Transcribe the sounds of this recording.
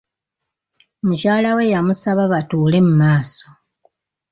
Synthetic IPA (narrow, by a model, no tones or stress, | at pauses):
mucaːlawe̞jamusaβaβatuːle̞mumaːso